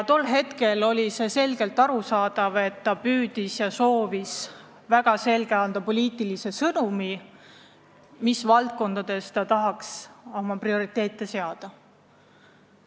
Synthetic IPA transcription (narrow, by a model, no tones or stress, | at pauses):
jt̪o̞lːɦe̞t̪ke̞lo̞lʲise̞se̞lɡe̞lt̪ːˑɑɾusɑːd̪̥ɑve̞t̪ːɑpyːd̪̥isjɑso̞ːvis | væɡ̥ɑse̞lɡe̞ɑnd̪̥ɑpo̞lʲiːt̪ˑilise̞sɤnumi | misvɑlt̪̚ko̞nd̪ɑd̪̥e̞st̪ɑt̪ɑɦɑkso̞mɑprio̞ɾit̪ːˑe̞ːt̪ːˑe̞se̞ɑd̪̥ɑ